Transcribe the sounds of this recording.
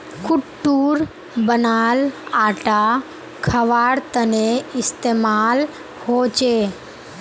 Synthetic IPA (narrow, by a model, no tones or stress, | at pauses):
kʊʈːuːɾ | bənaːlaːʈa | kʰəʋaːɽt̪əneɪst̪eːmaːl | hoːt͡ʃe